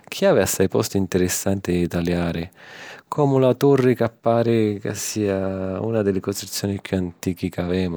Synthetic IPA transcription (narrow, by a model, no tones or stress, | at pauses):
k̟ʰiaːvɪasːajpɔ̰st̪ʊint̪ɪɾɪsːant̪ɪt̪aljaːɾɪkʰɔːmʊlat̪urːɪkapːaːɾɪka̰sːiːaṵːnad̪ɪlːɪkot͡ʃ̪it̪sːjɔːnipʰjuant̪iːkikavɛːmʊ